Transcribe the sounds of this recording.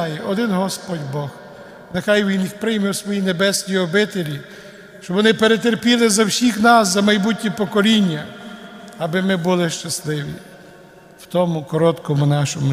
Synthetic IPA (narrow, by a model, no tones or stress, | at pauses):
jʔɔd̪ɪnɦɔspɔdʲbɔh | nexɑjʋʲinjixpɾɪjmɪwsʋɔjine̞bɛsʲnʲijɔbɪt̪elʲi | ʃt͡ʃɔbʋɔnɪpeɾet̪̬erpʲilˠɪzɐwsʲixnɑszɐmɐjbutʲnʲipɔkɔlʲinʲːɐ | ɐbɪmɪbulˠɪʃt͡ʃɐslˠɪʋʲḭ | w̥t̪ɔmʊkɔɾɔt̪kɔmʊnɑʃɔmʊ